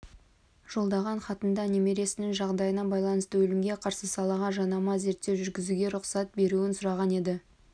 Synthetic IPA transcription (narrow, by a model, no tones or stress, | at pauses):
ʒ̥o̞lˠd̪ɑʁɑɴχɑt̪ənd̪ɑne̞me̞ɾe̞sɪnɪŋʒɑʁd̪ɑjənɑbɑjlˠɑnəst̪əwɵlɪmɡʲe̞qʰɑɾsəsɑlˠɑʁɑʒɑnɑmɑze̞ɾt̪ːewʒʏɾɡʲɪzuɡʲe̞ɾʊqsɑt̪̚be̞ɾuɪnsʊɾɑʁɑne̞d̪ɪ